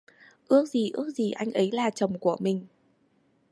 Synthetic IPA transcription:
ʔɨ˦˥ək̚zi˨˩ʔɨ̰˦˥ək̚zi˨˩ʔa˧jŋ̟ʔə˨˦jlaː˨˩t͡ɕə˨˩wŋ͡mku˧˩əmï˨˩ŋ̟

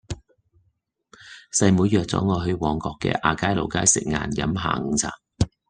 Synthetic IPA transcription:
sɐ˧jmuː˨˧jœː˨˧k̚t͡sɔ̰ː˨˥ŋɔː˨˧ɦɵ˧ɥwɔː˨˧ŋkɔː˧kːɛ̰ː˧ʔaː˨˧kaː˥jlo˨˩wkaː˥jsɪ̰˨˩k̚ŋa̰ː˨njɐ˨˥mɦa̰ː˨˩ŋ̩˨˧t͡sʰa̰ː˨˩ŋ

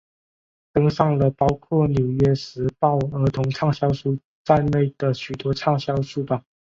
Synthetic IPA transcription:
t̪ɤ˥ŋʂɑ˥˩ŋlə˨˩pɑ˥ʊkʰwɔ˥˩njo˨˩ʊɥɛ˥ʂɻ̩˧˥pɑ˥˩ʊə˞˧˥t̪ʰʊ˧˥ŋʈ͡ʂʰɑ˥˧ŋɕjɑ˥ʊʂu˥˧ | t͡sa˥˧ɪne˥˩ɪd̪̥ə˩ɕy˨˩t̪wɔ˥ʈ͡ʂʰɑ˥˩ŋɕjɑ˥ʊʂu˥˩pɑ˨˩

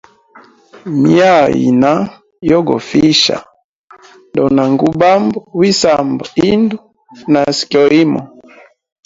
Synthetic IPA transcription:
mja˦˨jḭ˨na˦ | jɔ˦ɡɔ̰˨fi˦ʃa̰˨ | ndɔ˨na˨ŋɡu˦ba˦mbɔ˨wi˦sa˨mbɔ˨i˦ndu˦ | na˨skjɔ˨i˦mɔ̰˨

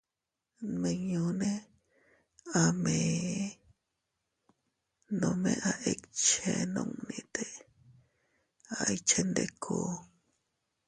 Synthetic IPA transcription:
mẽ˧ɲõ˧ne˦ | a˧mẽ | nõ˧mẽ˧ʔa˧ʔe˧kt͡ʃe˧nõ˧ŋnĩ˧t̪e˨ | a˨jt͡ʃe˧nd̪e˧kʰo˦

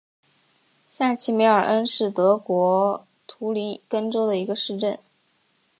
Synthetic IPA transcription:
ɕa˥˩t͡ɕʰi˥me˧˥ɪə˞˨˩ʔə˥nʂɻ̩˥˩t̪ɤ˧˥kwɔ˧˥ | t̪ʰu˧˥li˧˥nkə˥nʈ͡ʂo˥ʊd̪ə˨i˧˥ɡə˧ʂɻ̩˥˧ʈ͡ʂə˥˩n

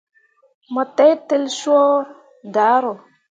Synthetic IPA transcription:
mə˨te˦jte˦lʃo˦ | da˨˦ɾo˨

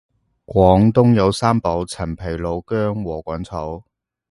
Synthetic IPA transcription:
kʷɔː˨˥ŋt̪ʊ˥ŋjɐ˨˧wsaː˥mpo˨˥wt͡sʰɐ˨˩npʰe˨˩jlo˨˧wkœː˥ŋwɔː˨˩kʷɐ˨˥nt͡sʰɐ˨˥w

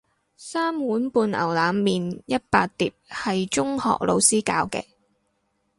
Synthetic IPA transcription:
saː˥mwuː˨˥npuː˧nɐ̰˨˩wlaː˨˧mːiː˨njɐ˥t̚paː˧t̚t̪iː˨˩p̚hɐ˨jt͡ʃʊ˥ŋhɔ̰ː˨k̚lʔo̰˧wsiː˥kaː˧wkɛ̰ː˧

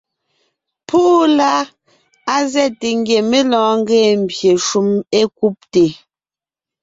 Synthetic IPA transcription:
pʰu˦ʔla˦ | a˦zɛ˦˨te˨ŋ˦ɡje˨me˦lɔ̃ː˨˦ŋ̩˦ɡɛː˦˨m̩˨bje˨ʃu˦me˦ku˦p̚te˨

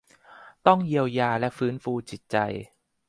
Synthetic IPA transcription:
t̪ɔ˥˩ŋji˧əwjaː˧lɛ˦˥ʔfɯː˦˥nfuː˧t͡ɕi˨˩t̪̚t͡ɕa̰˧j

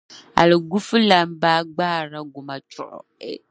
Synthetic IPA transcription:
a̰˨le˨ɡu˦fu˦la˨˦m̩˦ba˦ɡ͡baː˦˨ɾa˨ɡo˨ma˨t͡ʃɔ̰˨ɔ̰˨

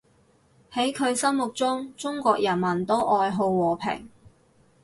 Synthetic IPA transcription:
he˨˥jkʰɵ˨˧ɥsɐ˥mmʊ˨k̚t͡sʊ˥ŋt͡sʊ˥ŋkʷɔː˧k̚jɐ˨˩nmɐ˨˩nt̪o˥wʔɔː˧jɦo˧wːɔː˨˩pʰɪ̰˨˩ŋ

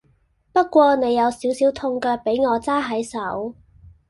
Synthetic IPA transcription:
pɐ˥t̚kʷɔː˧ne˨˧jːɐ˨˧wsiː˨˥wsiː˨˥wt̪ʰʊ˧ŋkœː˧k̚pe˨˥jŋɔː˨˧t͡saː˥ɦɐ˨˥jsɐ˨˥w

